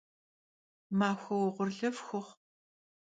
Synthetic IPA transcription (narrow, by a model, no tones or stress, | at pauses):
maːxʷɐwɔʁʷʊrɮɐvxʷʊχ